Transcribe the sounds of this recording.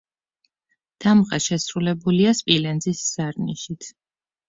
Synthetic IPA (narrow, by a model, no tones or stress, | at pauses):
d̪̥amʁɛʃɛsɾulɛbuliaspʼilɛnzisz̥aɾniʃit̪ʰ